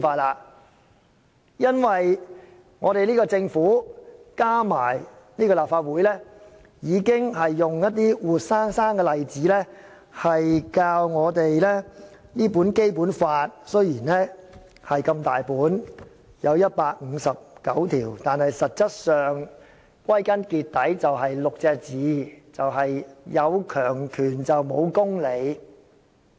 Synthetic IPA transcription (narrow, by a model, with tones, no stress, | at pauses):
faː˧t̚laː˧ | jɐ˥nwɐ˨j | ŋɔː˨˧ɾe˨jliː˥kɔː˧t͡sɪ˧ŋfuː˨˥kaː˥maː˨˩j | niː˥kɔː˧laː˨p̚faː˧t̚wuː˨˥jlɛː˥ | jiː˨˧kɪ˥ŋɦɐ˨jːʊ˨ŋjɐ˥t̚t̪iː˥wuː˨t̚saː˥ŋsaː˥ŋkɛː˧lɐ˨jt͡siː˨˥lɛ˥ | hɐ˨jkaː˧wŋɔː˨˧t̪e˨jlɛ˥niː˥puː˨˥nke˥jpuː˨˥nfaː˧t̚sɵ˥ɥjiː˨˩nlɛː˥ | hɐ˨jkɐ˧mt̪aː˨jpuː˨˥n | jɐ˨˧wjɐ˥t̚paː˧k̚ŋ̩ː˨˧sɐ˨p̚kɐ˨˥wt̪ʰiː˨˩wt̪aː˨nhɐ˨jsɐ˨t̚t͡sɐ˥t̚sœː˨ŋ | kwɐ˥jkɐ˥nkiː˧t̚t̪ɐ˨˥jt͡sɐ˨wɦɐ˨jlʊ˨k̚t͡sɛː˧k̚t͡siː˨˧˥t͡sɐ˨wɦɐ˨jjɐ˨˧wkʰœː˨˩ŋkʰyː˨˩nt͡sɐ˨wmo˨˧wkʊ˥ŋle˨˧j